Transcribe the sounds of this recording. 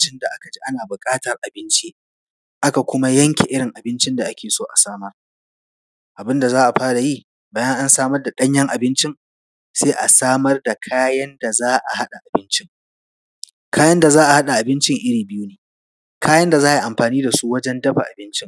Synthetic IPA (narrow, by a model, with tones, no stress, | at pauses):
t͡ʃɪ˦nda˨ʔa˦ka˨d͡ʒi˦ʔa˦naː˨bʊ˨kʼaː˦tɐ˨rʔa˨bɪ˦nt͡ʃi˦ | ʔa˦ka˨kʷʊ˦ma˦jɐ˦ŋkʲe˨ʔɪ˦ɽɪ˨ŋʔa˨bɪ˦nt͡ʃɪ˦nda˨ʔa˦kʲʰeː˨soː˦ʔa̰˨saː˦mɐ˦r | ʔa˨bɪ˦nda˨zaː˦ʔa˨ɸaː˦ɽa˨jiː˦˨ | baː˨jɐ˦ŋʔa˦nsaː˦mɐ˦rda˨ɗɐ˦ɲjɐ˦ŋʔa˨bɪ˦nt͡ʃɪ˦ŋ | seː˦ʔa˨saː˦mɐ˦rda˨kʰaː˦jɐ˦nda˨zaː˦ʔa̰˨ha˦ɗa˨ʔa˨bɪ˦nt͡ʃɪ˦ŋ | kʰaː˦jɐ˦nda˨zaː˦ʔa˨ha˦ɗa˨ʔa˨bɪ˦nt͡ʃɪ˦ŋʔɪ˦ɽiː˨bɪ˦juː˦neː˨ | kʰaː˦jɐ˦nda˨zaː˦ji˨ʔa˨mɸaː˨niː˦da˨su˦wɐ˦d͡ʒɛ˦ndɐ˦ɸa̰˨ʔa̰˨bɪ˦nt͡ʃɪ˦ŋ